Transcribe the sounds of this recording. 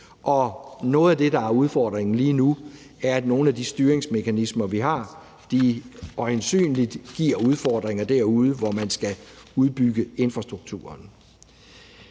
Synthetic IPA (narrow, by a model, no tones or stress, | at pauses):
ʔɒ̽nɔ̽ːð̩ˠæd̥e̝dɑ̈æɐuð̞ˠfɒ̰ːd̥ʁeŋn̩liːnu | æɐæd̥no̝ːn̩æd̥isd̥yːɐeŋsme̝kʰænismɐʋiɦɑ̈ | d̥iɒensy̰ːnlid̥ɡ̥iɐ̰uð̞ˠfɒːd̥ʁeŋɐd̥æɐ̰uð̞ˠəʋɒmænsɡ̥æuð̞ˠb̥yɡ̥əe̝nfʁɑ̈sd̥ʁuɡ̥̚t͡sʰṵːɐn